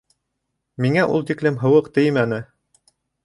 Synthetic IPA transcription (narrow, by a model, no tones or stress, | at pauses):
miŋæʔṵlˠt̪iklɘmɦɤ̆wɤqt̪ɘjmænɘ